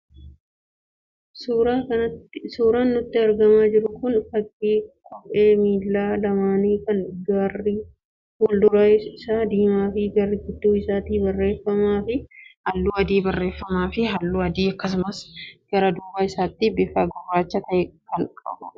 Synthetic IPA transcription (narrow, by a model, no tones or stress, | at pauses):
ɐɐsuːɾaːnːʊt̪ːɪɐɾɡɐmaːd͡ʒɪɾʊkʊnfɐkʼːiːkʼɔpʼeːmiːlːaːlɐmaːniːkɐnɡaːri | wɔld̪ʊɾaɪɪsaːd̪iːmaːfɪɡɐrːɪɡʊd̪ːuːɪsaːt̪iːbɐrːe̞ːfːɐmaːfɪhɐlːuːɐd̪iːbɐrːe̞ːfːɐmaːfɪɦɐlːuːɐd̪iːɐkːɐs̬ʊmɐsɡ̥ɐɾɐd̪uːbaːɪsaːt̪ːibɪfaːɡɐrːaːt͡ʃːɐt̪ɐʔɛkɐŋkʼɐ̰bʊ